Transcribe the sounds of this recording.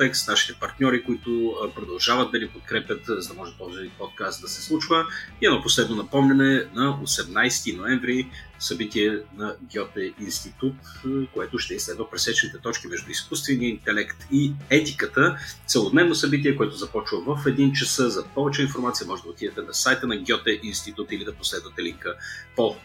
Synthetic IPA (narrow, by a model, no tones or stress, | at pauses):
t̪ɛksnaʃi̥t̪ɛpɐɾt̪nʲɔɾikʊit̪ʊpɾod̪ɐlˠʒavɐt̪̚d̪ɐnipot̪̚kɾɛpʲjət̪zɐd̪ɐmɔʒɛt̪̚p̪ɔziipɔt̪̚kast̪̚d̪ɐsɛ̥slˠut͡ʃvəiɛnɔposlɛd̪nonɐpɔmlʲɐnɛnɐosɛmnajst̪inoɛɱvɾisɐbit̪iɛnɐɡʲjɔt̪ɛinst̪it̪ut̪koɛt̪ʊʃt̪ɛislɛd̪vɐpɾɛsɛt͡ʃɛnit̪ɛt̪ɔt͡ʃk̟imɛʒd̪ʊiskust̪vɛniəint̪ɛlɛkt̪iɛt̪ikət̪ət̪sɛlˠod̪nɛvnosɐbit̪̬iɛkoɛt̪ʊzɐpɔt͡ʃvəvəfɛd̪int͡ʃɐsɤzɐpɔvɛt͡ʃɛinfoɾmat̪sijəmɔʒɛt̪d̪əot̪id̪ɛt̪ɛnɐsajt̪ənɐɡʲɔt̪ɛʔinst̪it̪ut̪ilid̪ɐposlɛd̪vət̪ɛliŋkəpo